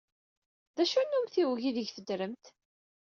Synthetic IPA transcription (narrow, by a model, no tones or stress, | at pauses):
ðæʃænːumθiwʝiðəʝθəd̪ɾəmt̪